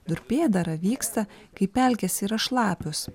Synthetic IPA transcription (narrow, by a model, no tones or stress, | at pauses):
d̪ʊɾʲpʲeːd̪ɐɾɐʋʲiːkst̪ɐkɐɪpʲɛlʲkʲɛsiɾɐʃlˠɑːpʲʊs